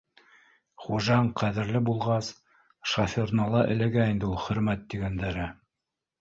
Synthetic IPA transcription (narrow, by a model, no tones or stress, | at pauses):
χuʒɑɴqʰæðɘ̆ɾlɘbulˠʁɑs | ʃɑfornɑlˠɑʔɘ̰̆læɡæind̪ɘulˠχɵ̆ɾmæt̪ːiɡænd̪æɾɘ